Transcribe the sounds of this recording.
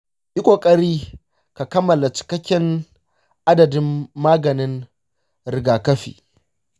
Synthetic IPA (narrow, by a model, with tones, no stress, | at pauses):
ʔɪ˦kʷo˨kʼɐ˦ɾiː˦ | ka˨kɐ˦mːɐ˨la˨t͡ʃɪ̥˨kɐ˦kʲːɪ˦n | ʔa˦dɐ˨dɪ˦mːaː˦ɡɐ˨nɪ˦n | ɾɪ˨ɡaː˨kɐ˦ɸḭː˨